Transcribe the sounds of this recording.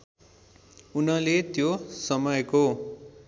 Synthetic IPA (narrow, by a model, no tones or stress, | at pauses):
unʌlet̪josʌmʌjko